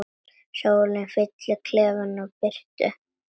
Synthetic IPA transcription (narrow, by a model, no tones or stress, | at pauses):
soːwlɪnfɪt̪lʏkʰlɛːɣanɔɣpɪr̥t̪ʏ̰